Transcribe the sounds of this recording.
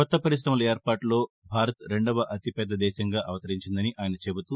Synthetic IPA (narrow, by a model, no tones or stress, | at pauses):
kɔt̪ːɐpɐɾis̬ɾɐmɐlɐeːɾpaːʈlo̞ː | bʱaːɾɐt̪ɾe̞ɳɖɐʋɐʔɐt̪ipɛd̪ːɐd̪ɛːʃɐŋɡaːʔɐʋɐt̪ɐɾiɲt͡ʃind̪ɐniʔaːjɐnɐt͡ʃe̞but̪u